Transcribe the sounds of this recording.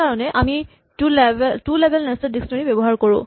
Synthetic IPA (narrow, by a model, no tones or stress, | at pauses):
aɹɔnɛʔami | tulbltulebʱɛlnɛstɔdiksnɔɹibebɔɦaɹkoɹʊ̰̃